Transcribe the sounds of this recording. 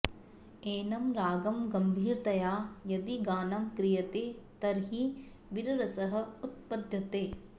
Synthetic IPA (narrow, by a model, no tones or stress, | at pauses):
eːnɐmɾaːɡɐmɡɐmbʱiːɾt̪ɐjaːjɐd̪iɡaːnɐmkɾijɐt̪eːt̪ɐɾɦi | ʋiɾɐɾɐsɐɦɐ̆ut̪̚pɐd̪ʱjɐt̪eː